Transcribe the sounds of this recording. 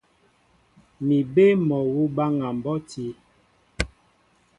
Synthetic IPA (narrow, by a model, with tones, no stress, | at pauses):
mi˨be˦mɔ˨wu˦ba˦ŋa˨m˨bɔ˦ti˦